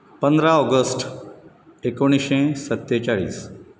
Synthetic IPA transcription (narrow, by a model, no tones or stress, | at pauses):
pə̃nd̪ɾaɔɡəsʈ | ekoɽ̃iʃẽsət̪ːjet͡ʃaɭḭːs